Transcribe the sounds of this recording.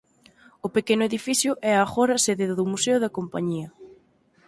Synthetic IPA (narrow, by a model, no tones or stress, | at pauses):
ʊpekenʊeðifiθjʊʔɛaxɔɾɐseðeðʊmuseʊðɐkompa̰ɲiɐ